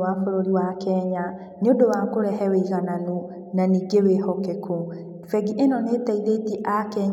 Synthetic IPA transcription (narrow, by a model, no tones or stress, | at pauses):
afoɾoɾiwakɛɲa | neodowakoɾɛɦɛweiɣananu | naniːɡewehɔkekʰo | fɛɡiʔenɔneːtaiɾetiʔakɛɲ